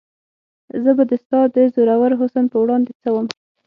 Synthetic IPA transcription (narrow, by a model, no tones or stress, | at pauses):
zəbad̪əst̪ɑd̪əzoɾawaɾɦʊsənpəwɽɑnd̪et͡səwəm